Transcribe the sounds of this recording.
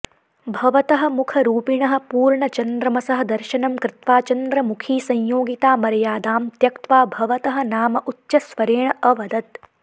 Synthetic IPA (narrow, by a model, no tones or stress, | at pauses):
bʱɐʋɐt̪ɐɦɐ̆mukʰɐɾuːpiɳɐɦɐ̆puːɾɳɐt͡ʃɐnd̪ɾɐmɐsɐɦɐ̆d̪ɐɾʃɐnɐmkɾɪt̪ʋaːt͡ʃɐnd̪ɾɐmukʰiːsɐɲjoːɡit̪aːmɐɾɐjaːd̪aːmt̪jɐkt̪ʋaːbʱɐʋɐt̪ɐɦɐ̆naːmɐʔut̪ʃɐsʋɐɾeːɳɐʔɐʋɐd̪ɐt̪